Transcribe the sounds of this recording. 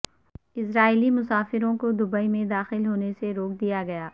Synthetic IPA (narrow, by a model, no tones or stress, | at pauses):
ɪsɾaːilimʊsaːfɪɾõkod̪ʊbəimẽd̪aːxɪlɦoːneseɾoːk̚d̪ijaɡɐjaː